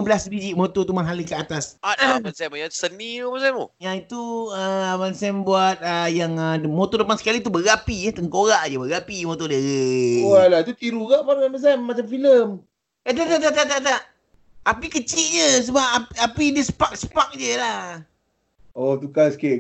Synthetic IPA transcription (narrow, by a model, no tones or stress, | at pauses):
bəlasbid͡ʒiʔmot̪ot̪umaɦaləkəat̪asaabansɛmjasənibansamojãit̪uəabansɛmbuat̪̚əjaŋəmot̪odəpansə̥kalit̪ubəɣapit̪əŋkoɣaʔd͡ʒəbəɣapimõt̪odəɣewalait̪ut̪iɾuɡaʔpaɾamas̬ɛmːat͡ʃamfiləm | at̪at̪at̪at̪at̪aʔt̪aʔ | apikət͡ʃiʔ̚d͡ʒəs̬əbap̚apiapidiəsə̥pak̚sə̥pak̚d͡ʒəlah | ot̪ukaske